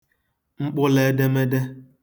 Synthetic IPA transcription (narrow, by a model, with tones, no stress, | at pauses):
ŋ͡m̩˦k͡pʊ˦le˨˦de˦me˦de˦